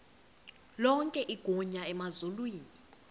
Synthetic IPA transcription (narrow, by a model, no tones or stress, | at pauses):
lɔŋkʼɛʔiɡ̥ʱɔɲaɛmazulwiːni